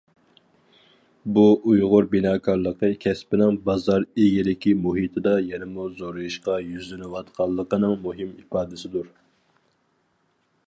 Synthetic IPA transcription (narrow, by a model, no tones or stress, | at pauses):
buujʁʊɾbinɑːkʰɑɾlˠəqəkʲʰɛspɪnɪŋbɑzɑɾeɡʲilɪkʲimuɦit̪ʰɪd̪ɑjɛnɪmuzoɾɨjuʃqɑjyzlɪnɪwɑt̪qʰɑlˠːəqənɨŋmuɦɪmifɑːd̪ɪsɪd̪uɾ